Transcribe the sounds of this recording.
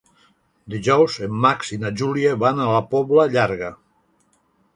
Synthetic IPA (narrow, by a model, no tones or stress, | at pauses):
d̪iʒɔwzemːaksinaʒulieβanalapɔβləʎaɾɣə